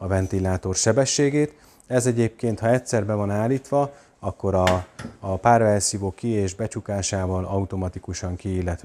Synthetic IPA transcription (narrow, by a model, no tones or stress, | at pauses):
ɒvɛnt̪ilaːt̪o̞rʃɛbɛʃːeːɡeːt̪ | ɛzɛɟeːp̚keːnt̪hɒɛcʲsɛrbɛvɒnaːlːiːt̪ʋɒ | ɒkːo̞ɾɒː | paːrvɛrsioːkːieːʒbɛt͡ʃukaːʃaːvɒlɒut̪o̞mɒt̪ikuʃɒŋkiːlːɛt̪